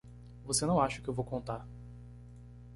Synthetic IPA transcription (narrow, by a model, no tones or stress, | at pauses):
vosenɐ̃w̃aʃɐkɪewvowkõnt̪aɾ